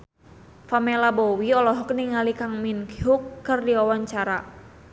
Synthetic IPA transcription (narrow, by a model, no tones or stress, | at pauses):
famelabowiɔlɔɦɔkniŋalikaŋminkɦukːərdiawaɲt͡ʃaɾa